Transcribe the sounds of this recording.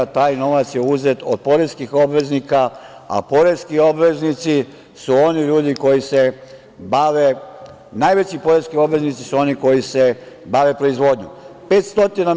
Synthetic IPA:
t̪aːjno̞ʋat̪sjeuze̞t̪od̪̚po̞ɾeskixo̞bʋe̞znika | a̰po̞ɾeskio̞bʋe̞znit̪si | suo̞niʎuːd̪iko̞jise̞ | baʋe | naːjʋet͡ɕipo̞ɾe̞skio̞bʋe̞znit̪si̥suo̞niko̞jise̞ | baʋe̞pɾo̞izʋo̞ːd̪ɲṵpe̞ːt̪st̪o̞t̪ina

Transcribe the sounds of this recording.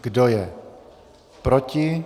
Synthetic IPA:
ɡ̥dojɛ | pɾocɪ

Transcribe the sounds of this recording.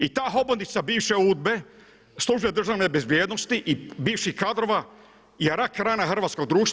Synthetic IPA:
it̪aːɦobond̪it̪sabiːʋʃeuːd̪̚be̞ | slˠuʒujed̪r̩ʒaʋnebezbjeːd̪nost̪iʔibiːʋʃikad̪ɾoʋa | jeɾakɾaːnaxr̩ʋaːt̪sko̞ɡ̚d̪ɾuːʃt̪

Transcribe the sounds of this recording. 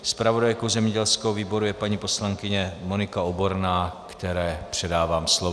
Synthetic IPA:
spɾavo̞dajkowzɛmɲɛɟɛlskowviːbo̞ɾujɛpaɲipo̞slaŋkɪɲɛmo̞nɪkaobo̞ɾnaːkt̪ɛɾɛːpr̝̥ɛdaːvaːmslov

